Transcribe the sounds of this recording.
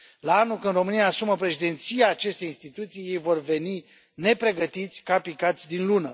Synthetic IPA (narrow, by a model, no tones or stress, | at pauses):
laanulkɨnd̪ro̞mɨnijaːsuməpɾe̞ʃid̪e̞nt̪sijaːt͡ʃe̞st̪ejinst̪it̪ut̪sije̞jvo̞rve̞ni | ne̞pɾe̞ɡət̪it̪sʲkapikat̪sʲd̪inlunə